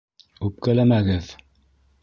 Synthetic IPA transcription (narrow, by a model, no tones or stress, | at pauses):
ʉp̚kælæmæɡɘð